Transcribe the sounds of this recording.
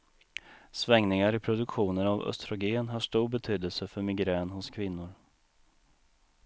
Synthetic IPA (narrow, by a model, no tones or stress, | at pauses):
svɛŋnɪŋaɾɪpʰɾʊd̪ɵkɧuːnənavœ̰st̪ɾʊɡeːnɦaʂʈuːɾbɛt̪ʰyːd̪əlsəfœɾmɪɡɾɛːnhʊskʰvɪn̪ːʊɾ